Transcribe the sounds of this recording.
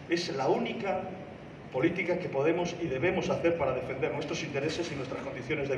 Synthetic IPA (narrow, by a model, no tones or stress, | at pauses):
eslaunika | po̞lit̪ikakepo̞ð̞emosið̞e̞β̞e̞mo̞saθe̞ɾpaɾað̞e̞fe̞nd̪eɾnwest̪ɾosint̪e̞ɾesesinwest̪ɾasko̞nd̪iθjone̞zðe